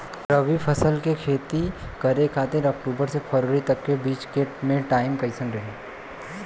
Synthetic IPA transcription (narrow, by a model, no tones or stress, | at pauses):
ɾəʋipʰɐsəlkekʰeːt̪ikɐɾekʰaːt̪eɾɔk̚ʈuːbəɾsepʰəɾʋəɾit̪ɐkkebiːt͡ʃkemẽʈaːɪmkɐɪsə̃nɾɐɦeː